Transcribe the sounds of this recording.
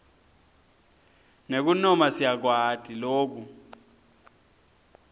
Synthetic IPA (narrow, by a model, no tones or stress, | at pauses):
nek̬unɔmasijak̬wad̥ʰʼʱiloːk̬u